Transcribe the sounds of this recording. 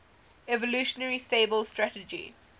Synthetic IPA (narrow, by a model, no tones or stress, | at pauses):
ɛvɔluːʃənəɹisteːbəlstɹætəd͡ʒḭ